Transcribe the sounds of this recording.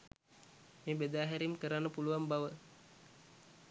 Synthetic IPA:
meːbed̪aːɦæɾimkəɾanːəpuluʋambaʋə

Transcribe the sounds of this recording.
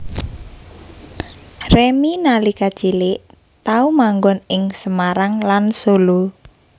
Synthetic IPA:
reminalikad̥t͡ʃilɪʔ | t̪aumaŋɡɔnɪŋsəmaɾaŋlansolo

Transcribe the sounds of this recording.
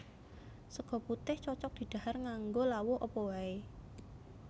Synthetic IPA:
səɡ̥ɔ̤put̪ɪht͡ʃɔt͡ʃɔk̚d̪̥i̤d̪̥a̤harŋaŋɡolawʊʔɔpɔwae

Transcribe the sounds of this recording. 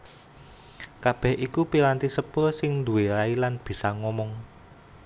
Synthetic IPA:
kab̥ɛ̤hʔikupiɾant̪isəpʊrsɪŋnd̪ṳwelailanb̥i̤saŋɔmɔŋ

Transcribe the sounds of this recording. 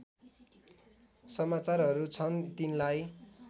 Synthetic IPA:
sʌmat͡sarɦʌɾut͡sʰʌnt̪inlaj

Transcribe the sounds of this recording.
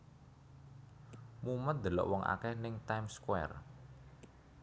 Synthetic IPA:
mumət̪̚d̪̥ə̤lɔ̰ʔwɔŋʔa̰kɛhnɪŋt̪ajmskwɛ̰r

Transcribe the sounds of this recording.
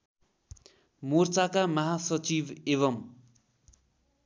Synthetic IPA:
mort͡sakamʌɦasʌt͡sibeβʌm

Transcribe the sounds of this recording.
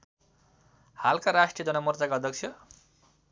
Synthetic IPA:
halkaɾasʈrijʌd͡zʌnʌmʌrt͡sakaʌd̪ʱjʌk̚t͡sʰjʌ

